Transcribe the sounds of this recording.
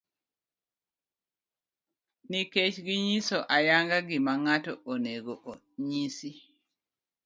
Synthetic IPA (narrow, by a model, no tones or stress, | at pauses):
niket͡ʃɡiɲisoʔajaŋɡaɡimaŋatɔʔoneɡoʔo | ɲisi